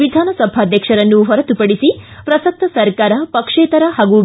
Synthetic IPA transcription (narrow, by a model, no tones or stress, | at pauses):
id̪ʱaːnɐsɐbʱaːd̪ʱjɐkʂɐɾɐnːuɦɔɾɐt̪upɐɽisipɾɐsɐk̚t̪ʰɐsɐɾkaːɾɐpɐkʂeːt̪ɐɾɐɦaːɡu